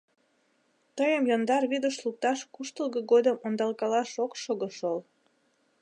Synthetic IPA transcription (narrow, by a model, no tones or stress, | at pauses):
t̪əjəmjond̪ɑrβid̪əʃluk̚t̪ɑʃkuʃt̪əlɣəɡod̪əmond̪ɑlkɑlɑʃokʃoɣəʃol